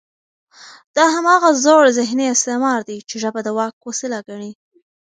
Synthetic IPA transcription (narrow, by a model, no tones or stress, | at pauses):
d̪̥ɑɦamɑɣazoɽzɪɦniɪst̪emɑɾd̪it͡ʃeʒəbad̪əwɑk̚ːosɪlaɡaɳi